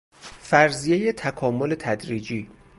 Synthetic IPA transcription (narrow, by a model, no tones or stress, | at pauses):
fæɾzijeje̞t̪ʰækʰɒːmo̞le̞t̪ʰæd̪ɾiːd͡ʒiː